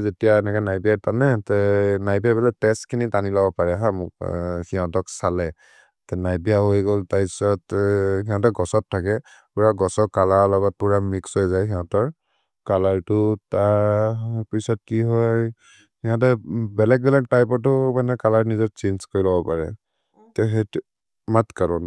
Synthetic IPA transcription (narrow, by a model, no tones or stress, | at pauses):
zetijaɛnɛkɛnajbijatanɛtɛnajbiabɛlɛtɛstkʰinitanilɔbɔpaɹɛɦãmʊkhiɦɔ̃tɔksalɛ | tɛnajbijaɦojɡoltaisɔthiɦɔ̃tɔɡɔsɔtʰːakɛ | puɹaɡɔsɔkalalɔɡɔt̚puɹamiksɦojzajɦiɦɔ̃tɔɹ | kalaɹtʊta | pɹisɔt̚kiɦɔj | hiɦɔ̃tɔbɛlɛk̚bɛlɛtajpɔtʊmanɛkalaɹnizɔt̚t͡ʃenzkoɹilɔbɔpaɹɛ̰ | tɛɦɛt | matkaɹɔn